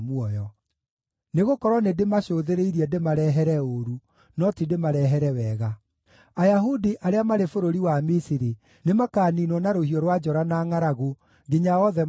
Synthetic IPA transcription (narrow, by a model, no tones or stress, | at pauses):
mwɔjɔ | neɣokɔɾwɔnedemaɕoːðeɾeiɾiɛdemaɾɛɦɛɾɛoɾu | nɔtidemaɾɛɦɛɾɛwɛːɣa | ajaɦudiʔaɾeamaɾefoɾoɾiwamisiɾi | nemakaːninwɔnaɾohiɔɾwad͡ʒɔɾanaːŋaɾaɣu | ɡeɲaɔðɛ